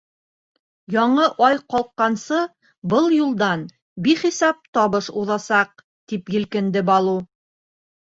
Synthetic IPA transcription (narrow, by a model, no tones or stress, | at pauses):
jɒɴɤʔɑjqɑlˠqːɑnsɤ | bɤlˠjulˠd̪ɑn | biχisɑp̚t̪ɒβɤʃuðɑsɑq̚ | t̪ipjɘ̆lkɘ̆nd̪ɘbɑlˠu